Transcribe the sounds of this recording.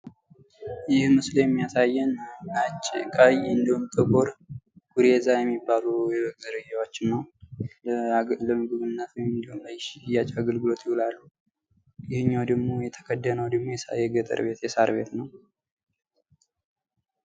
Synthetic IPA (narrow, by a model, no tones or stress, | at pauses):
jɪhmɨsljɛmːijasajːɛnat͡ʃʼːkʼajɨnd̪əhumt̪ʼɨkʼoɾɡ̥uɾezajɛmːibːalujɛɡzəɾɨd͡ʒawot͡ʃːɪnːəw | ləmɨɡɨβɨnːat̪ɨnd̪əhumjːat͡ʃʼaɡəlɡɨlo̞t̪ʰjɪhulalːu | jɪhɨɲːawd̪əɡmo̞jɛt̪ʰə̥kʰəd̪ːənəwd̪əɡmo̞jɛsajɛɡət̪ʼə̰ɾβe̞t̪jɛsaɾβe̞̰t̪nəw